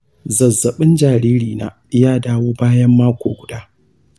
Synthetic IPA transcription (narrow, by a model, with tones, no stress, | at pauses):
zɐ˨zɐ˨ɓɪ˦nd͡ʒaː˨ɾiː˦ɾiː˨na̰ː˨ | jaː˦daː˦woː˦baː˦jɐ˦mːaː˦kʷoː˨ɡʷʊ˨daː˦